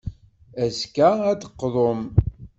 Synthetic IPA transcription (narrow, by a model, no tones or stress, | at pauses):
æzkææd̪əqːðˤom